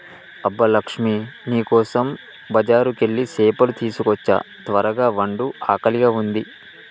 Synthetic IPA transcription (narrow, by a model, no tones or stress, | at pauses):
ɐbːɐlɐkʂminiːkɔːsɐm | bɐd͡ʒaːɾuke̞ɭːiseːpɐlut̪iːsukɔt͡ʃːɐ̰t̪ʋɐɾɐɡaːʋɐɳɖuaːkɐliɡaːund̪i